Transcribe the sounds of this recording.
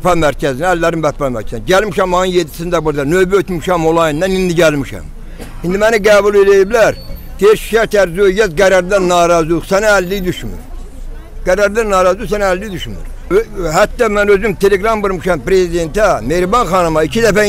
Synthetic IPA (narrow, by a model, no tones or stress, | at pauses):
pɑmæɾcʰæzinæːlːæɾinbæt̪pɑmæ̰ɾcʰæzinɟælmiʃæmːɑnɯnjed̪ːi̥sind̪æbuɾd̪ɑnø̞bæøt̪miʃæmolˠɑjinːænind̪iɟælmiʃæ̰m | ind̪imæniɡæːbulelijiblæɾd̪̥eiɾʃi̥ʃæɾt̪ʰæɾzyøjæzɡæɾɑɾd̪ænːɑːɾɑzlˠusænæːlːijd̪yʃmy̰ɾ | ɡ̥æɾɑɾd̪ænːɑːɾɑzlˠusænæːlːijd̪yʃmy̰ɾ | ɦæt̪ːɑmænøzymt̪ʰe̞le̞ɡɾɑmbɯɾmɯʃɑmpɾe̞zid̪e̞nt̪æme̞ɾbɑnxɑnɯmɑicʰid̪æfæ